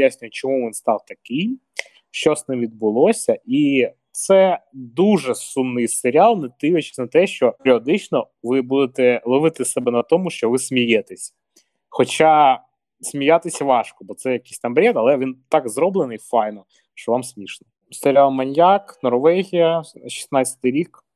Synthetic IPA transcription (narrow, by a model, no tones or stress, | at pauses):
jasʲnʲʊjɛt͡ʃɔmuʋʲinst̪ɑwt̪ɐkɪj | ʃt͡ʃɔsnɪmʋʲid̪̚bʊlˠɔsʲɐʔi | t̪sɛd̪uʐɛsumnɨjseɾʲɑlˠnɛt̪ɪʋet͡ʃɪ̥sʲnɐt̪ɛʃt͡ʃɔpeɾʲiɔd̪ɪt͡ʃnɔ | ʋɪbud̪et̪ɛlˠɔʋɪt̪ɪsɛbɛnɐt̪ɔmʊʃt͡ʃɔʋɪsʲmʲijɛt̪ɪsʲ | xɔt͡ʃa | sʲmʲijat̪ɪsʲʋɑʃkɔbɔt̪sɛjɐkɪjsʲt̪ɐmbɾʲɛt̪ɐlˠɛʋʲint̪ɑɡzɾɔblˠenɪjfɑjnɔ | ʃt͡ʃɔʋɑmsʲmʲiʃnɔ | seɾʲɪalˠmɐnʲjaknɔrʋɛɦʲijɐʃi̥snɑsʲɐ̥t̪ɪjɾʲik